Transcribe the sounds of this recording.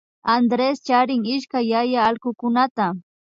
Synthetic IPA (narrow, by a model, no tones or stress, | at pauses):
and̪ɾest͡ʃaɾɪŋɪʃkajːajaːlkʊkʊnat̪a